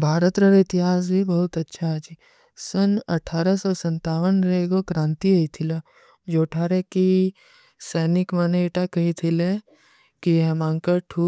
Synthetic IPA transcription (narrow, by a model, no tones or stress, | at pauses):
bʱaːɾət̪ɾɐɾɪt̪ɪɦaːs̬bʱibɐɦʊt̪ɐtːʃʰad͡ʒi | sənɐʈʰaːɾəsɔsɐ̃nt̪aːʋənɾɐeɡokɾãːnt̪iɐit̪ʰila | d͡ʒoːʈʰaːɾeki | sɛːnɪkmaneeʈakɐɦit̪ʰile | kiɛmãːŋkəʈʰu